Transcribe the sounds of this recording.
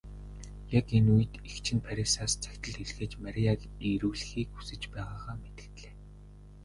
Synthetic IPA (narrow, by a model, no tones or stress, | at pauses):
jakenujɘ̆t̪ixt͡ɕʰɪ̆npʰæɾʲisaːst͡sʰæ̥kʲt̪ə̆ɮeɮ̆xeːt͡ɕmaɾʲiakiɾŭːɮ̆xiːkxu̥sɘ̆t͡ɕpæːʁaːʁaːmet̪ɘ̆kt̪ɮeː